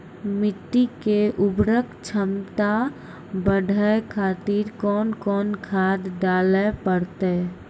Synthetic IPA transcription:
mɪʈ̪ːikeʔʊbɾəkt͡ʃʰəmt̪a | bəɖʱəkʰat̪iɾkɔːnkɔːnkʰaːd̪ːalepəɽt̪e

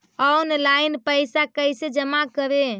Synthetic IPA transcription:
əunlainpəjsakəjsed͡ʒəmakəɾe

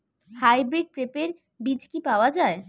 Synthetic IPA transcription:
hajbɾiɖ̚pɾepeɾ | bid͡ʑkipaoad͡ʑae

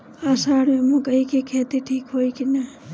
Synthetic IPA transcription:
asaːɽmemũkəɦikekʰet̪iʈʰiːkɦoːjkina

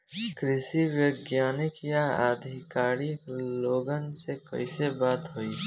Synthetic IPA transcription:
kɾɪsiwjəɡjaːnɪkjaaːd̪ʱɪkaːɾiloːɡənsekə̰isebaːt̪ɦoi

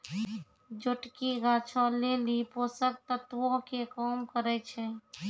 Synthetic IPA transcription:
d͡ʒoʈkiɡaːt͡ʃʰɔ̃leːlipoːsək̚t̪ət̪wõkekɔːmkəɾɛt͡ʃʰɛ

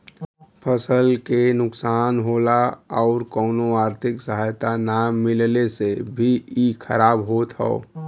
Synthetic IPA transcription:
pʰəsəlkenʊksaːnɦoːlaɔːɾkɔːnoaːɾt̪ʰɪksəɦajt̪anaːmmːɪllesebʱiikʰəɾaːbɦoːt̪ɦɛ̰o̰

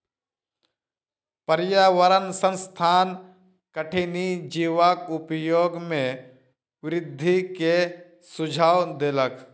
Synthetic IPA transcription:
pəɾjaːʋəɾənsə̃nst̪ʰaːn | kəʈʰinid͡ʒiːʋakʊpjoːɡmẽ | ʋɪɾɪd̪ʱːike | sʊd͡ʒʱaːwd̪elək

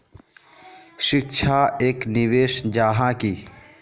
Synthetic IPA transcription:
ʃɪkʃʰaːeːknɪʋeːʃd͡ʒaːɦãkiː

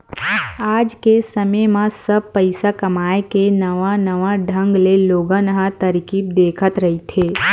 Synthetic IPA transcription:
aːd͡ʒkesəməjmãsəb̚pəɪsakɐmaːekenɐʋãnɐʋãɖʱə̃ŋɡleloːɡãnəɦãt̪əɾkip̚d̪eːkʰət̪ɾɐɦit̪ʰeː

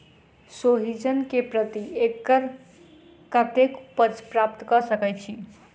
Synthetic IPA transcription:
soɦid͡ʒənkepɾət̪iekːəɾ | kət̪ekpət͡ʃpɾap̚t̪kəsəkɛt͡ʃʰi

